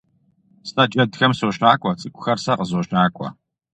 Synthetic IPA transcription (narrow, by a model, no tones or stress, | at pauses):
snɐt͡ʃʼɐdxɐmsoːɕaːkʷʼɔt͡sʼɨkʷʼʊxɐrsɐqəzoːʃaːkʷʼɔ̰